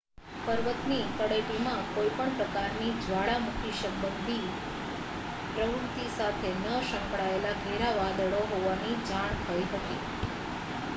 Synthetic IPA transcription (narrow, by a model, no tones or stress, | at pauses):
pəɾʋət̪nikəɽeʈimãkojpəɳpɾəkaɾnid͡ʒʱʋaɭamukʰiʃəmbənd̪ʱi | pɾəʋuɾt̪isat̪ʰenəʃə̃mpɽaelaɡʱeɾaʋad̪əɭoɦoʋanid͡ʒaɳt̪ʰəiɦət̪i